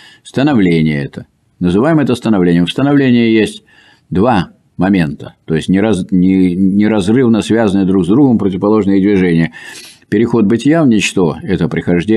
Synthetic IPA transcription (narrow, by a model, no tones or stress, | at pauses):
fst̪ənɐvlʲenʲɪjəɛt̪ə | nəzɨvajɪmɛt̪əst̪ənɐvlʲenʲɪjəmfst̪ənɐvlʲenʲɪjəjesʲtʲ | d̪va | mɐmʲe̞nt̪ət̪o̞ɪsʲnʲɪɾɐznʲɪnʲɪɾɐzrɨvnəsvʲazənɨjəd̪ɾuɡzd̪ɾuɡəmpɾətʲɪvəpɐlˠo̞ʐnəjəd̪ʲvʲɪʐɛnʲɪjəpʲɪɾʲɪxo̞t̪̚bɨtʲɪjalnʲɪt͡ɕt̪oɛt̪əpɾʲɪxɐʐdʲe